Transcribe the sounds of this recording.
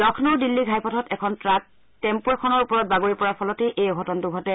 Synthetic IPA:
dɔkʰnɔɹdilːiɡʱajpʰɔtʰɔtɛkʰɔntɹak̚ | tɛmpuɹkʰɔnɔɹupɔɹɔt̚baɡoɹipɔɹapʰɔlɔteʔejɔɡʱɔtɔntuɡʱɔtɛ

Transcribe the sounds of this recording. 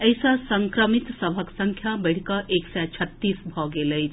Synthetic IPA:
əjsasəŋkɾəmit̪səbʱəksə̃ŋkʰjabəɽ̤ikʌʔeksɛt͡ʃʰət̪ːisbʱɔɡeləjʰ

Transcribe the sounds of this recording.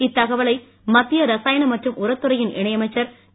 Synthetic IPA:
ɪt̪ːɐɣɐʋɐɭɐɪ | mɐt̪ːɪjɐɾɐsaːjɐnɐmɐʈrɯmʔʊɾɐt̪ːɯɾɐjɪnʔɪɳɐjɐmɐɪt͡ʃːɐɾ

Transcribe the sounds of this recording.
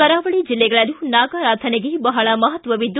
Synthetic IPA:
ɐɾaːʋɐɭid͡ʒilːɛɡɐɭɐlunaːɡaːɾaːt̪ʰɐneɡebɐɦɐɭɐmɐɦɐt̪ʋɐʋid̪ː

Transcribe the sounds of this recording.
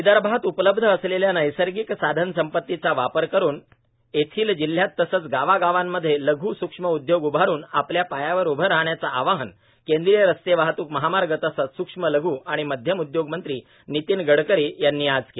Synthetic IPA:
id̪aɾbʱaɦət̪upləb̚d̪ʱəəsleljanəjsəɾɡiksad̪ʱənsəmpət̪ːit͡saʋapəɾkəɾuːn | et̪ʰiːld͡ʑil̤ːjat̪ːəsət͡sɡaʋaɡaʋamːəd̪ʱːjeləɡʱuːsukʂməud̪joɡubʱaɾuːnapljapajaʋəɾubʱəɾaɦɳjat͡saʔaʋaɦən | kẽnd̪ɾijəɾəst̪eʋaɦt̪uːkməɦamaɾɡət̪əsəsukʂmələɡʱuːaɽ̃iməd̪ʱjəmud̪joɡmənt̪ɾiː | nit̪iːnɡəɽkəɾiːjanːiːad͡zke

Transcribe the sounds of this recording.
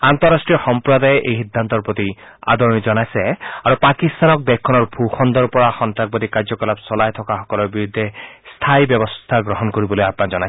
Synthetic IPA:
ant̪ɔɹasʈɹiɔxɔmpɹɔd̪ajɛʔḛjxid̪ʱːant̪ɔɹpɹot̪i | a̰d̪ʱɔɹnizɔnajsɛaɹupakist̪anɔk̚d̪ɛkʰːɔnɔɹbʱuxɔnd̪ɔɹpɔɹaxɔnt̪ɹak̚bɔdikaɹzɔkɔlapsɔlajt̪ʰɔkaxɔkɔlɔɹbiɹud̪ʱːɛst̪ʰajbjɔbɔst̪ʰaɡɹɔɦɔnkoɹibɔlojapnakzɔnajsɛ

